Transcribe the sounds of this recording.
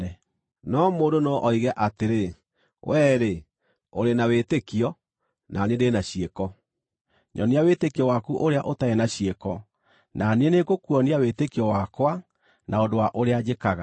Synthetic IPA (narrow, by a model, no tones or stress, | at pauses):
ɛ | nɔmoːndonɔʔɔiɣɛʔateɾe | wɛːɾe | o̰ɾenawetekiɔ | nʔanedenaɕiekɔ | ɲʔɔniawetekiɔwakuʔoɾeaʔotaenaɕiekɔ | nanenekokuɔniawetekiɔwakwa | naodowaʔoɾead͡ʑekaɣa